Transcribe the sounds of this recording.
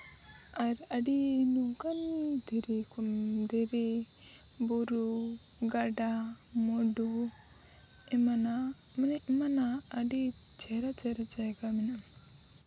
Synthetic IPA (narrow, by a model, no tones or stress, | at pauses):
aɾaɖinuɡand̪ʱiɾikumd̪iɾi | buɾuɡaɖa | mɔɖu | ɛmanamanɛʔɛmanaːɖit͡ʃɛɾat͡ʃɛɾat͡ʃaɡaminam